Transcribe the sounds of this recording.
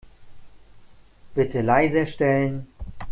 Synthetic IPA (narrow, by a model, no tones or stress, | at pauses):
b̥ɪtʰəlaɪzɐʃtɛlən